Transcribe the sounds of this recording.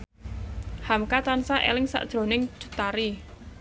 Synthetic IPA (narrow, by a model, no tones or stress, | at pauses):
hamkat̪ansaʔḛlɪŋsa̰ʔd̥ʒ̥ɾo̤nɪŋd̥ṳ̥t̪aɾi